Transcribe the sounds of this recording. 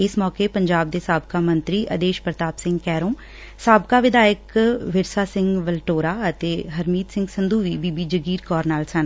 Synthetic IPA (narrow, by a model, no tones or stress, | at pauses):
ɪsmɔːkeːpəɲd͡ʒaːb̚d̪eːsaːb̚kaːmə̃nt̪ɾiːʔəd̪eːʃpɾət̪aːpsɪ̃ŋɡkɛːɾõː | saːbkaːʋɪd̪aːjəkʋɪɾsaːsɪ̃ŋɡʋəlʈoːɾaːət̪eːɦəɾmiːt̪sɪ̃ŋɡsɪnd̪uːʋiːbiːbiːd͡ʒəɡiːɾkɔːɾnaːlsən